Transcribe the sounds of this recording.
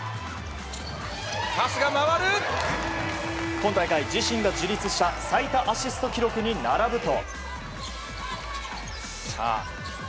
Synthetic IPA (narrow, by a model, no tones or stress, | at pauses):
hasɨɡamaβaɾɯ | kõ̞nt̪aikaid͡ʑiɕĩŋɡad͡ʑɨɾʲit͡sɨɕi̥t̪asait̪aʔaɕisɨ̥t̪o̞kʲiɾo̞kɯ̟ɲ̟inaɾabɯ̟t̪o̞̰ | sa̰ː